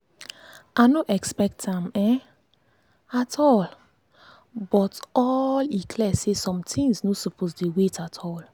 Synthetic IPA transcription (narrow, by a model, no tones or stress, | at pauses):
ʔanoʔɛkspɛk̚tãmɛ̃ | atʰɔl | bɔtɔlikʰlɛsesɔ̃mtʰĩŋznosɔpʰosdewetʰatʰɔl